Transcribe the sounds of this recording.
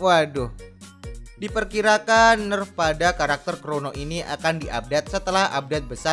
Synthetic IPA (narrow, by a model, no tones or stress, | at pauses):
wahdʊh | dipərkiɾakanːərpadakaɾak̚t̪ərkɾonoʔiniʔa̰kandiʔa̰b̚dat̪̚sət̪əlaha̰b̚dat̪̚bəsa